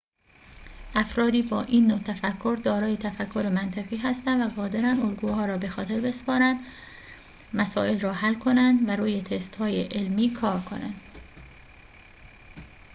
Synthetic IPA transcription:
ʔæfɾɒːd̪iːbɒːʔiːnːoːt̪ʰæfækʰːo̞ɾd̪ɒːɾɒːjet̪ʰæfækʰːo̞ɾemænt̪ʰæɣiːɦæst̪ænvæɣɒːd̪e̞ɾænolɡuːhɒːɾɒːbe̞xɒːt̪ʰe̞ɾbe̞spɒːɾænd̪ | mæsɒːʔe̞lrɒːhælkʰo̞nænd̪væɾuːje̞t̪ʰest̪hɒːjeʔelmiːkʰɒːɾkʰo̞̰næ̰nd̪̥

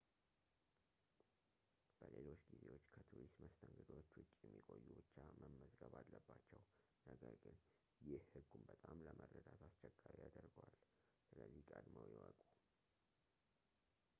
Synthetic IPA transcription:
b̥əle̞lo̞t͡ʃːɡize̞wot͡ʃːkʰət̪ʰuɾist̪məst̪ʰəŋɡəd̪wot͡ʃːwʊt͡ʃʼːjɛmːikʼo̞jːubɨt͡ʃːaməmːəzɡəβalːəbːat͡ʃːɛw | nəɡəɾɡɨn | jɪhhɨɡːumbət̪ʼamləmʔərːəd̪at̪ʰast͡ʃɛkʼːaɾijad̪əɾɡəwal | sɨləzːikʼəd̪məwjɛwɔkʼu

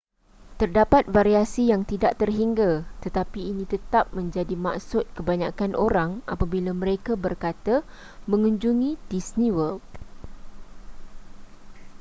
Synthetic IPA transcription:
t̪ərdapat̪̚faɾiasijaŋt̪idaʔt̪ərɦiŋɡat̪ət̪apiːnĩt̪ət̪ap̚mə̃ɲd͡ʒadima̰ksʊt̪̚kəbaɲakanʔoɾaŋʔa̰pabilamə̃ɾekabərkat̪a | mə̃ŋuɲd͡ʒuŋĩdisniwək̚

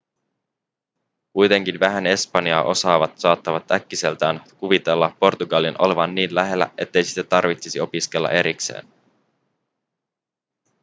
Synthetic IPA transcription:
kujt̪e̞ŋk̟inʋæɦæne̞spɑniɑːʔo̞sɑːʋɑt̪sɑːt̪ːɑʋɑt̪ækːise̞lt̪æːnkuʋit̪e̞lːɑpːo̞rt̪uɡɑlinʔo̞le̞ʋɑnːiːnlæɦe̞lːæ̰ʔe̞t̪ːe̞jsi̥t̪ːæt̪ːɑrʋit̪sisio̞piske̞lːɑ̰ʔe̞ɾikse̞̰ːn

